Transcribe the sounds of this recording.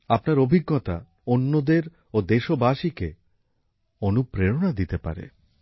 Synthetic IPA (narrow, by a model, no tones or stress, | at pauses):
apnaɾobʱiɡːot̪a̰ | onːod̪eɾ | od̪eʃobaʃike | onupɾeɾonad̪it̪epa̰ɾḛ